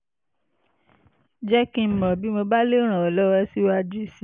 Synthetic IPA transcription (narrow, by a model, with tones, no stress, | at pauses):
d͡ʒɛ˦kĩ˧˨mɔ̃˨bi˨˦mo˧ba˦le˦ɾ̃ã˨ɔ˨lɔ˦ɾɛ˧˦si˦wa˦d͡ʒu˦i˦˨si˦